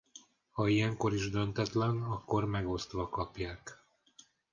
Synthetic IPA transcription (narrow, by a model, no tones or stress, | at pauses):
hɒijɛŋko̞ɾiʒd̪ønt̪ɛt̪lɛnɒkːo̞rmɛɡo̞st̪ʋɒkɒpjaːk